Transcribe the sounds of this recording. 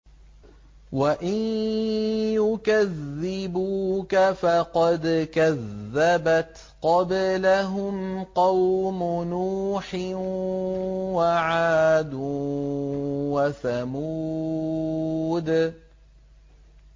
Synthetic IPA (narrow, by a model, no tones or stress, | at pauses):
waʔɪn | jʊkaðːɪbuːkafɑqɑd̪kaðːabat̪ | qɑblaɦʊmqɑwmʊnuːħɪ | waʕaːd̪u | wasamu | d̪